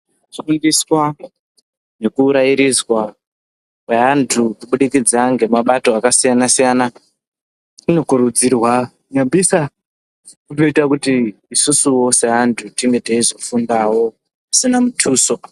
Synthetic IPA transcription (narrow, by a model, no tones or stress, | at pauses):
ʃundiswa | ne̞kuːɾaiɾizwa | kwe̞ɦantʰukuɓuɗikid͡zaŋɡe̞maɓato̞akasijanasijana | ino̞kuɾud͡zirwa | ɲabʱisa | kunoitakutiːsusuwo̞se̞ɦantʰutiŋɡe̞taizo̞fundaːwo̞ | asinamutʰuːso̞